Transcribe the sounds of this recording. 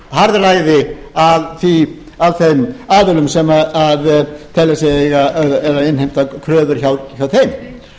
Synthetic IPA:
haɾðɪraːjðɪaðθi | aðθejmaːvɪlʏmsɛmaaðt̪ʰɛlɛsɛɣaðɛɾaɪnhejm̥t̪akʰɾœːðʏɾ̥çawçawθejm

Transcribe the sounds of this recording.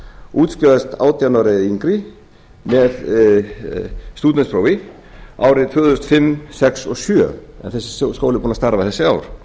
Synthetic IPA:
uːt̪skœast̪a̰ːwt̪janɔɾɛiŋkɾi | mɛð | st̪uːt̪nɛnspɾowi | ʔa̰ːwɾɪt̪ʰʏːðʏst̪fɪmsɛksɔsyœ̰ɛ̰nθɛsɪ̥skoːwlɪpʰunast̪aɾavɪθɛsːɪaːwɾ̥

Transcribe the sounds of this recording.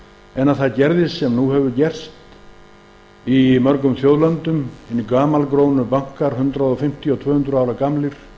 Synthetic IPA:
ɛnːaðθaðcɛɾðɪsːɛmnuhɛvʏcɛr̥st̪ | imœɾkʏmθjowðlant̪ʏmɪnːikaːmalkɾoːwnʏpaŋ̥kaɾ̥hʏnt̪ɾaðɔfɪm̥t̪ʰiɔt̪ʰvœːhʏnt̪ɾʏaːwɾakamlɪɾ̥

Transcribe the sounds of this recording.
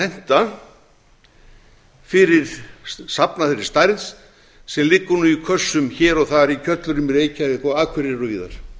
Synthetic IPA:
ɛn̥t̪a | fɪɾɪɾ̥sapnafɪɾɪɾ̥st̪ajɾðs | sɛmlɪkːʏnʏikʰvœsːʏmçɛːɾɔɣθaɾicʰœt̪lʏɾʏmɪɾeːjcaɪkʰɔaːðkʰvɪɾɪrɔviːða̰ɾ̥

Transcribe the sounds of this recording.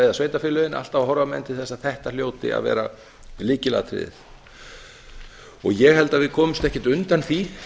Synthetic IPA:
ejðasveːjt̪afɪːlœðɪnʔa̰l̥t̪awhɔɾvamɛ̰nt̪ɪ̥θɛsːaðθɛht̪aljoːwt̪ɪ̰a̰ðvɛ̰ːɾa | liːcɪlɛ̰ðat̪ʰɾɪ̰ːðɪ̰θ | ɔɣjɛɣhɛlt̪avɪðkʰɔːmʏmst̪ɛhcɛɾt̪ʏnt̪anθi

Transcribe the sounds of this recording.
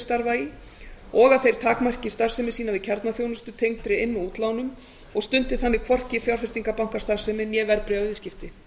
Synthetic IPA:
st̪aɾvaːjɪ | ɔɣaðθejɾ̥t̪ʰaːkmar̥cɪst̪ar̥sɛmɪsiːnavɪðcʰɛɾt̪naθjownʏst̪ʏt̪ʰejŋt̪ɾɪɪnːʏuːt̪lawnʏm | ɔɣst̪ʏnt̪ɪθanːɪkʰvɔr̥cɪfjawɾ̥fɪ̥st̪iŋkapawŋ̥kast̪aɾ̥sɛmɪnjɛːvɛɾpɾɪavɪscɪft̪ɪ

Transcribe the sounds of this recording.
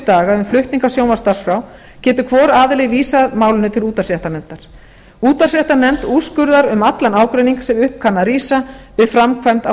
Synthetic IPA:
t̪aːɣaʏmflʏht̪niŋkasjoːwmast̪aɾ̥sfɾaw | cɛːt̪ʏkʰvɔːɾaːðɪlɪɣviːsaðmaːwlʏnʏt̪ʰɪluːt̪asjɛht̪anɛnt̪aɾ̥ | uːt̪asjɛht̪anɛmt̪uːskʏɾðaɾʏmat̪lanaːwkɾejniŋkḁsɛmʏhp̚kʰanːaɾiːsavɪðfɾamkʰvajmt̪a

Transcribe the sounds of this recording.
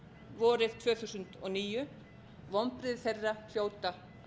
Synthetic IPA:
vɔːɾɪð̥t̪ʰvœːθusʏnt̪ɔɣniːjʏ | vɔmpɾɪðθejrːal̥joːwt̪a

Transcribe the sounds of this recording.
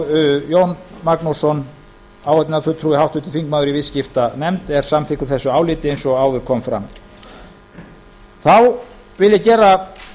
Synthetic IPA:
ʏjownmaknusɔn | aːwhɛt̪nafʏt̪ʰɾuːɪhawht̪ʏːt̪ɪfiŋkmaːwðʏɾivɪscɪft̪anɛmt̪ɛɾ̥samθɪkʏɾ̥θɛsːʏaːwlɪːt̪ɪejnsɔaːwðʏɾ̥kʰɔmfɾa̰m | θaw | vɪljɪcɛːɾra

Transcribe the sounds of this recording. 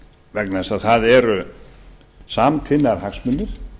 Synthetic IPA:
vɛknaɛsaðθaðɛɾʏ | saːmt̪ʰɪnːaɾhaxsmʏnːɪɾ̥

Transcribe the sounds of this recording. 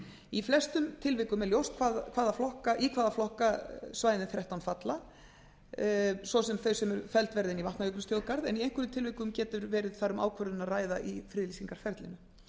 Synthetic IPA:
iflɛst̪ʏmt̪ʰɪlvɪkʏmɛɾljowst̪̚kʰvaːðkʰvaːðaflɔhkaʔikʰvaːðaflɔhkasvaːjðɪnθɾaht̪awnfat̪la | svɔsɛmθœɥsɛmɛɾfɛlt̪vɛɾðɪnivaht̪njœknst̪jowðkaɾðɛniejŋkʏɾʏmt̪ʰɪlvɪkʏmcɛːt̪ʏɾvɛːɾɪðθaɾʏma̰ːwkʰvœɾðɪnaðraːjðaʔifɾɪːðlisiŋkaɾ̥fɛɾt̪lɪ̰nːʏ

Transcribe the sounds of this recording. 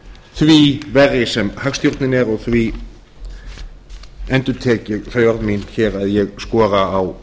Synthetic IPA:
θvivɛrɪsɛmhaxst̪jɔɾt̪nɪnɛɾɔɣθvi | ɛnt̪ʏt̪ʰɛːcɪθœːɥɔɾðminçɛːɾaðjɛɣskɔːɾaaw

